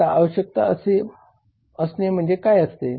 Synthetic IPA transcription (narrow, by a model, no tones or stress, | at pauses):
aaʋəɕjək̚t̪a̰əse | əsnem̤əɳd͡zekajəst̪e